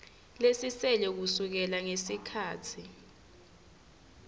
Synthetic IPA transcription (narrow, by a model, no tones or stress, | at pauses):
lesisɛlɛk̬usuk̬ɛlaŋesikʰaːtʰi